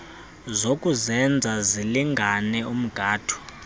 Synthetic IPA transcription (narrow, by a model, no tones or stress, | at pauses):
zokʼuzɛnd͡zʱaziliŋɡʱanɛʔum̩ɡ̥ʱaːd̥ʰu̥